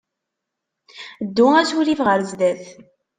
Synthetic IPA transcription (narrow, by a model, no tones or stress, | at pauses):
d̪ːʊæsuɾivʁəɾzd̪æθ